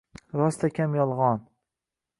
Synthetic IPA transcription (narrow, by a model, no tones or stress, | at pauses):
ɾɒst̪ʰakʲʰamjɒlˠʁɒn